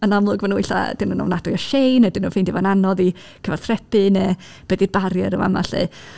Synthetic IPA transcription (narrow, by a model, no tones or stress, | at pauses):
ənamlˠʊɡvənuijɬa̰d̥ɪnuːnɔ̰wnadʊjɔʃejnadɪnuːfɪndivananɔði | kʰəvarθʰrɛpɨnɛ | b̥ɛdɪd̚baɾjɛɾəma̰ma̰ɬɛ̰